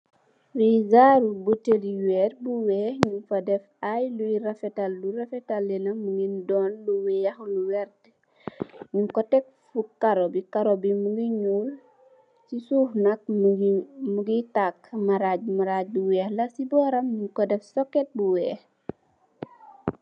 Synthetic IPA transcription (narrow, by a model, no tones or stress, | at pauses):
wiɡaɾubuteɾiwɛt̚buwɛːhɲuŋfɐdɛfajlujiɾɐfɛtalːurɐfɛtalːɛnɐmuɡindɔːnluwɛjɐxluwɛɾt | ɲuŋkɔtɛk̚fukaɾobikaɾobimuɡiɲuːl | sisuːhnɐk̚ | muɡitakmaɾaɟ̚maɾaɟ̚buwɛːhlɐsibɔɾɐmɲuŋkɔdɛfsɔkːɛt̚buwɛːh